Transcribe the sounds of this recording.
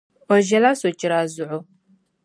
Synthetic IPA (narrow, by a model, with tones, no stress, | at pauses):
ɔ˨ʒɛ˦la˦so˨t͡ʃʼɪ˨ɾa˨zʊ˨ʕʊ˦